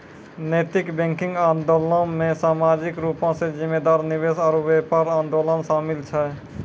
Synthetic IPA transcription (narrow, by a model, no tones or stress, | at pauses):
nəjt̪ɪkbɛ̃ŋkɪ̃ŋɡãːnd̪oːlə̃mẽsaːmad͡ʒikɾupãsẽd͡ʒimːed̪aːɾniʋesɔːɾʋepaɾãːnd̪oːlənsaːmilt͡ʃʰɛ